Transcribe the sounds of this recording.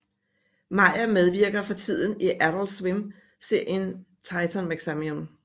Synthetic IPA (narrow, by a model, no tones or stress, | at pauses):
mɑ̈ɪ̰ɐmeð̞ˠʋiɐɡ̥ɐfɒ̽t͡sʰið̞̰ˠn̩iʔæɾ̥l̩swem | se̝ɐ̰jən | t͡sʰɑ̈ɪt͡sʰɐnmæɡ̥sæmiom